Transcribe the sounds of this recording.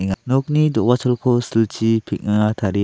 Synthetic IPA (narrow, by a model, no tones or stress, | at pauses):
iŋanɔk̚nidɔwat͡ʃʰɔlkʰɔsilt͡ʃipʰik̚naŋat̪ʰaɾi